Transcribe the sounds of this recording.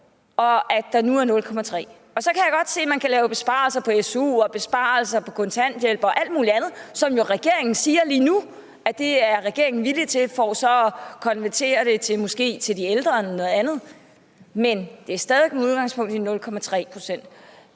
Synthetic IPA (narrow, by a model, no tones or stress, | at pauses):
ɒ̽ʔæd̥ɑ̈nuæɐnɔ̽lkʰɒ̽mæt͡sʰʁɛ̰ː | ɒ̽sɒ̽kʰæjaɡ̥ɒ̽d̥se̝̰ːmænkʰælɛːʊb̥e̝sb̥ɑ̰̈l̩sɐpʰɒ̽esṵːɒ̽b̥e̝sb̥ɑ̰̈ːl̩sɐpʰɒ̽kʰɔ̽nt͡sʰæn̰d̥jelb̥ɒ̽ʔæl̰d̥muːliænð̞̩ˠsɒ̽mjo̝ʁɛɡ̥e̝ɐ̰e̝ŋn̩siːɐliːnu | æd̥e̝æɐʁɛɡ̥e̝ɐe̝ŋn̩ʋilit͡sʰe̝lfɒsɒ̽ɒkʰɒ̽nʋæɐt͡sʰe̝̰ːɐɾ̥e̝t͡sʰe̝mɔ̽sɡ̥e̝̰ːt͡sʰe̝ld̥ield̥ʁɐnɒnɔ̽ːð̩ˠænð̞ˠ | mend̥e̝æɐsd̥ɛðˠʋeɡ̥̚muð̞ˠɡ̥ɑ̈ŋspʰɔ̽ŋ̰d̥inɔ̽lkʰɒ̽mæt͡sʰʁɛ̰ːpʰʁo̝sen̰d̥